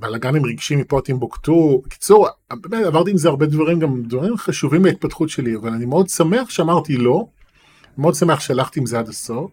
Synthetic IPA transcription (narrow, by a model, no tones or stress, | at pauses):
balaɡanemʁiɡʃimipot̪imbokt̪uki̥t͡suʁbemetavaʁt̪iːmzeaʁbe̞d̪vaʁimɡamd̪vaʁimχaʃuvimbait̪̚patχutʃeliavalanimeo̞d̪same̞aχʃeamaʁt̪ilo̞ | meod̪same̞aχʃealaχt̪iːmzead̪asof